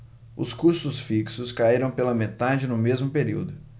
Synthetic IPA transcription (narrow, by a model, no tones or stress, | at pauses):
ʊ̰skust̪ʊsfiksʊskaiɾɐ̃w̃pelɐmet̪ad͡ʒɪnʊmezmʊpeɾḭwd̪ʊ